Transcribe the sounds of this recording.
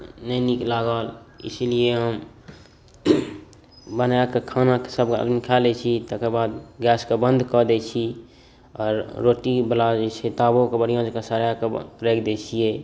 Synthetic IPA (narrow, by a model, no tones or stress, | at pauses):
nəniklaɡəlɪ̰slieɦəm | bənjakekʰaːnake̥səb̚kə̰d̪mikʰalet͡ʃʰit̪əkebaːd̪ɡɛːskebə̃nd̪ʱkɔd̪et͡ʃʰi | ɔːɾːoʈibəlad͡ʒet͡ʃʰet̪abokebəɽijõd͡ʒkesəɾjakeɾekd̪et͡ʃʰie